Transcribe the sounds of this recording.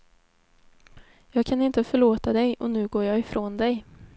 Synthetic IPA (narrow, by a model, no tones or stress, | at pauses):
jɑːɡkʰanɪnt̪əfœɭoːt̪ad̪ɛjʔɔnʉ̟ːɡoːɾjɑːɪfɾʔoːnd̪ɛj